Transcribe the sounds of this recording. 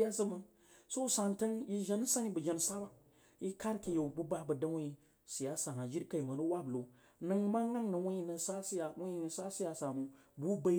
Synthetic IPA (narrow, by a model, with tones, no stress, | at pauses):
ja˦sə˦mə˦ | so˦sa˨nta˦nji˦ʒa˦n˦sa˦ni˦bə˨d͡ʒa˨n˨sa˦ba˦ | ji˦ka˦ɾki˨ja˨bu˦ba˦bə˨da˦wa˦ji˨ | si˨ja˦sa˨ɦa˨d͡ʒi˦ɾka˨i˨ma˨nu˦wa˦blo˨ | nə˦ŋma˦ŋ˦a˦ŋnə˨wa˦ɲi˦nə˨sa˦si˦ja˨wɲi˦nə˨sa˦si˦ja˨sa˨mu˨ | bu˦ba˦